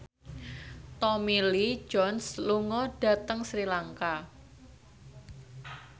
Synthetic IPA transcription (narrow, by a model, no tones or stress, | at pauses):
t̪ɔmilid͡ʒɔnsluŋɔɖ̥a̤t̪əŋsɾilaŋka